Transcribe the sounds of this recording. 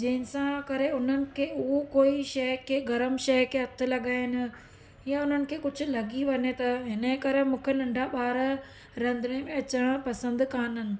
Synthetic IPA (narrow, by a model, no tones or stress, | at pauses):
d͡ʑɐɦɪ̃nɪ̆sãkɐɾeʊn̤ənɪ̆kʰeːʊɦokoːiʃɐɦkʰeːɡɐɾəmʃɐɦkʰeːɦɐt̪ʰɪ̆lɐɠaːɦɪnɪ̆ | jaʊn̤ənɪ̆kʰeːkʊd͡ʑʱʊ̆lɐɠiʋɐɲet̪ɐɦɪnəkɐɾemũːkʰelɐ̃ɳɖʱaɓaːɾ | ɾɐ̃nd̪ɪnemẽɐt͡ɕəɽ̃pɐsə̃nd̪kaːnənɪ̆